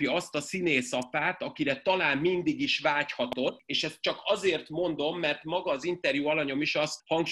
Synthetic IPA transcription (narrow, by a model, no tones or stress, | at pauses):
pjɒɒst̪ɒsineːsɒpaːt̪ɒkiɾɛt̪ɒlaːmːind̪iɡiʃvaːchɒt̪o̞t̪ːeːʃɛst̪̚t͡ʃɒkɒzeːrt̪mo̞nd̪o̞mːɛrt̪mɒɡɒːzint̪ɛrjuɒlɒɲo̞miʃɒshɒŋkʃ